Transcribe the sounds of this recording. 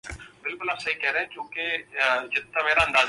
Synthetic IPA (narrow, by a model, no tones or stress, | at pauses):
bɪlkʊlaːbsəiːkɛːɾeɛ̃ːkjõːked͡ʒɪt̪ʰːameːɾaːɦə̃nd̪aːz